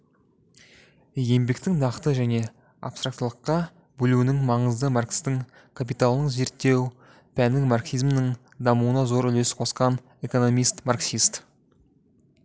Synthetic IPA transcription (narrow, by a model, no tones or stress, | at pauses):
je̞mbekt̪ɪŋnɑqt̪əʒæne̞ | a̰pst̪ɾak̚t̪lˠəqːɑ | bɵluɪnɪŋmɑɴəzd̪əmarkst̪ɪŋ | kʰap̬ijt̪alˠnəɴze̞ɾt̪ːe̞w | pʰænɪŋmarksijzmnɪŋ | d̪ɑmuwənɑzo̞ɾʏle̞sɪ̥qʰo̞sqɑn | e̞ko̞no̞mijst̪marksist̪